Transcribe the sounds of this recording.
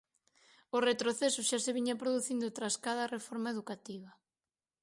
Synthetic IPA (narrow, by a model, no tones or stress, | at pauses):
oret̪ɾoθesʊʃaseβiɲapɾoðuθind̪ʊt̪ɾaskað̞ɐrefoɾmaeðukat̪iβɐ